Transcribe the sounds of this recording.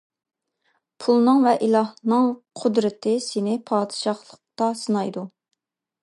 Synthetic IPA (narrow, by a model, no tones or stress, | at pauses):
pʰulˠnɨŋvɛʔilˠɑhnɨŋqʰʊd̪ɾɪt̪ʰɪsɪnɪpʰɑːd̪ɨ̥ʃɑχlˠəq̚t̪ɑsɨnɑjd̪u